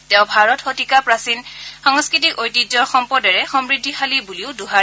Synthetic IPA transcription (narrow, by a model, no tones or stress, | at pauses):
tɛʊ̃bʱaɹɔtxotikapɹasinxɔŋskɹit̬ikojtid͡ʒɔɹxɔmpɔdɛɹɛxɔmɹidʱːixalibuliʊduɦaɛ